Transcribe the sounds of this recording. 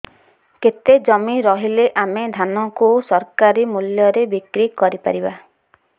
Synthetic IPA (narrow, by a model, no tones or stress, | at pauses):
ket̪ed͡ʒɔmiɾɔɦileʔamed̪ʱanɔkusɔɾkaɾimuljɔɾebikɾikɔɾipa̰ɾiba